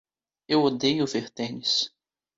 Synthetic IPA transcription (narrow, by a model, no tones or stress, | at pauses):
ewod̪ejʊveɾt̪ẽɲɪs